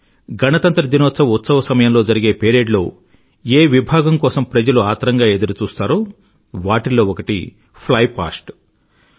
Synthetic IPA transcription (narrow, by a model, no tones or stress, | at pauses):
ɡɐnɐt̪ɐnt̪ɾɐd̪inoːt̪sɐʋɐut̪sɐʋɐsɐmɐjɐmloːd͡ʒɐɾiɡe̞ːpeːɾeːɖlo̞ː | eːʋibʱaːɡɐmkɔːsɐmpɾɐd͡ʒɐluaːt̪ɐɾɐŋɡaːe̞d̪uɾut͡ʃuːst̪aːɾu | ʋaːʈiloːɔkɐʈḭ | pʰlɐjpa̰ːsʈ